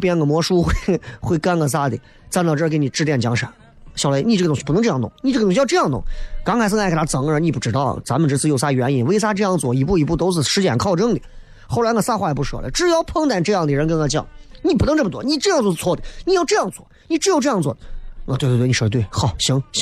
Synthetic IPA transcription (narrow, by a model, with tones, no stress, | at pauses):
pjɛ˥nŋɡə˩mwɔ˧˥ʂu˥xwe˥˧ɪxwe˥˩ɪka˥nkə˥˩s̬a˥d̪ḭ˨˩ | t͡snt̪ɑ˥˧ʈ͡ʂːke˧˥ɪni˨˩ʈ͡ʂɻ̩˥˧t̪jɛ˥˩nt͡ɕjɑ˧˥ŋʂa̰˨˩˦n | ɕjɑ˨˩ʊle˧˥ni˧˩ʈ͡ʂɤ˥˩ʊ˧˩ŋɕpnɤ˧˥ŋʈ͡ʂɤ˧ɑ˥˩ŋ˩t̪ʊ˧˩ŋni˧˩ʈ͡ʂɤ˥˩˧ɕjɤ˥˧jɑ˥˧ŋt̪ʊ̰˧˩ŋkɑ˥ŋkʰɪsə˥ŋa˥˩k̪ʰa˥t͡sɤ˨˩ŋə˧˥ni˧˩pu˥˩ʈ͡ʂɻ̩˧˥t̪ɑ˥˩ʊt͡sa˧˥mə˨nʈ͡ʂ̩˥t͡sɹ̩˥˧jo˥˩s̬a˥˨˩ɥɛ˧˥ni˨˩nwe˥ɪs̬a˥ʈ͡ʂɤ˥˧jɑ˥˧ŋt͡swɔ̰˥˩i˧˥p̬u˥˩i˧˥pu˥˩t̪o˥ʊt͡sɹ̩˥˩ʂɻ̩˧˥t͡ɕjɛ̰˨˩nkʰɑ˥˩ʊʈ͡ʂɤ˥ŋd̪i˨˩ | xo˥˩la˧˥kə˧˩sa˥xwa˥˩jɛ˨˩pu˥˩ʂɤ̰˨˩lə̰˨˦ʈ͡ʂɻ̩˥˧jɑ˥˧ʊpʰɤ˥ŋt̪a˨˩nʈ͡ʂɤ˥˧jɑ˥˩ŋd̪ə˨ɻə˧˥nkə˥na˧˥˩t͡ɕjɑ̰˥˩˦ni˧˩pu˥˩n˧ŋʈ͡ʂɤ˥˩mə˩t͡swɔ˥˧˩ni˨˩ʈ͡ʂɤ˥˧jɑ˥˧t͡sɔ˧˩˧t͡sʰwɔ˥˩d̪ə˨˩ni˨˩jɑ˥˧ʊʈ͡ʂɤ˥˧jɑ˥˧ŋt͡swɔ̰˥˩ni˨˩ʈ͡ʂɻ̩˥o˥˧ʊʈ͡ʂɤ˥˧jɑ˥˧ŋt͡swɔ˥˩˨n˥˩we˧t̪ə˧twɪxɑ˨˩ʊɕi˧˥ŋɕ